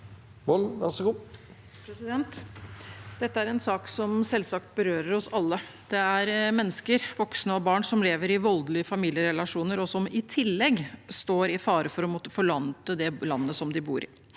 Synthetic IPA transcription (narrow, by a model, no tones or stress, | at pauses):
mɔlnʋæɾʂəɡuː | pʰɾɛsɪd̪ɛnt̪ | d̪̥ɛt̪ːəæɾɛnsɑːksɔmsɛlsɑk̚t̪̚bəɾøːɾəɾɔsɑlːə | d̪̥ɛæɾmɛnːəskəɾʋɔksnəɔbɑːɳsɔmleːʋəɾɪʋɔld̪lɪəfɑmiːljəɾɛlɑʂuːnəɾɔsɔmɪt̪ʰɪlːɛɡst̪oːɾɪfɑːɾəfɔɾɔmɔt̪ːə̥fɔɭɑnt̪əd̪ɛlɑnːəsɔmd̪ɪbṵːɾɪ̰